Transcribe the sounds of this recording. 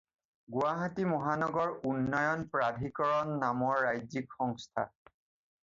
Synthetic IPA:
ɡuwaɦatimɔɦanɔɡɔɹunːɔjɔnpɹadʱikɔɹɔnːamɔɹːajzikxɔŋstʰa̰

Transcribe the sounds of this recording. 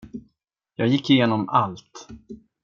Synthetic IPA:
jɑːɡjɪkːɪjeːnɔmʔalt̪

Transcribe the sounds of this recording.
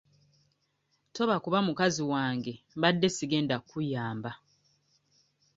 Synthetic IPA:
to̞βakuβamukaziwaːŋɡe̞mβadːe̞siɡe̞ːndakujaːmba

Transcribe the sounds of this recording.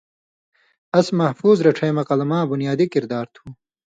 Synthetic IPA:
ɐsmɐhfuːzɾɐʈ͡ʂʰɐjmɐqɐlɐmãːbunjaːd̪ikiɾd̪aːɾt̪ʰuː

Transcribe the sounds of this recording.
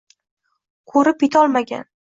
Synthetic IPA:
kʰɵɾɪpjet̪ʰɒlˠmaɡʲa̰n

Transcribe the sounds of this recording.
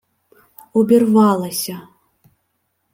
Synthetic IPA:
ɔbʲɛrvalˠɐsʲɐ

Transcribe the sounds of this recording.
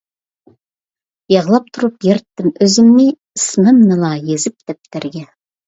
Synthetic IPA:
jɑʁlˠɑp̚t̪ʰʊɾəpjeɾt̪ːɪmɵzɪmne | əsmɪmnəlˠɑjezɪp̚d̪ep̚t̪æɾɡʲe

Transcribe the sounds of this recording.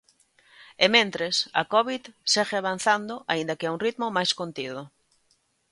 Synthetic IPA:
emẽnt̪ɾesa̰kɔβiðsɛɣeaβan̟θand̪oʔaĩnd̪ɐkɪauŋrit̪momajskont̪iðo

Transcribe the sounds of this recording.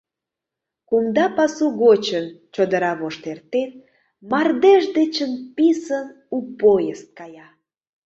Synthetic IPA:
kumd̪ɑpɑsuɣot͡ɕənt͡ɕod̪əɾɑβoʃt̪ert̪en | mɑrd̪eʒd̪et͡ɕənpisən | upojəst̪̚kɑjɑ

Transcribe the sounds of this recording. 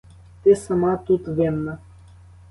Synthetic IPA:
t̪ɛsamat̪ut̪vɛmːə

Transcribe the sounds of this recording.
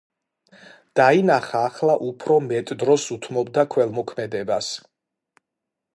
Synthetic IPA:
d̪̥ainaχaːχlˠaʔupʰɾɔmɛt̪ʼd̪ɾɔsut̪ʰmɔb̚d̪akʰwɛlˠmɔkʰmɛd̪ɛbas

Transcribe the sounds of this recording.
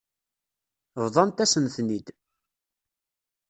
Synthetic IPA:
vðˤɑnt̪æsənθnid̪

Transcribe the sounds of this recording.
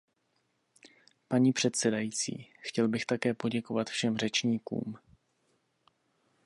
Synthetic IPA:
paɲiːpr̝̥ɛt̪sɛdajiːt͡sḭːxcɛlbɪxt̪akɛːpo̞ɟɛko̞vat̪fʃɛmr̝ɛt͡ʃɲiːkṵːm

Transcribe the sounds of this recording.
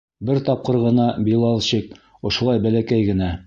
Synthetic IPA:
bɘɾt̪ɑp̚qɤɾʁɤ̆nɑbilˠɑlˠɕik | ŏʃŏlˠɑjbælækæjɡɘ̆næ

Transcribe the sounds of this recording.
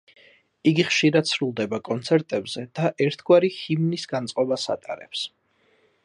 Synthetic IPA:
iɡiχʃiɾad̪sɾulˠd̪ɛbakʼɔnt̪sʰɛɾt̪ʼɛbz̥ɛd̪̥aʔɛɾt̪ʰɡwaɾihimnisɡant̪sʼqʼɔbasa̰t̪ʼa̰ɾɛ̰ps

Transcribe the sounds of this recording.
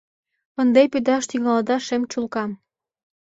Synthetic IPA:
ə̆nd̪epyd̪ɑʃt̪yɣɑld̪ɑʃemt͡ɕulkɑm

